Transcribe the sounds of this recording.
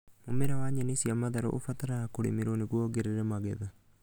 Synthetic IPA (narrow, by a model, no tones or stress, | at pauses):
momeɾawaɲenisiamaðaɾo̰ʔofat̪aɾaakoɾḭmiɾoniɣuɔɡeɾeɾɛmaɣeða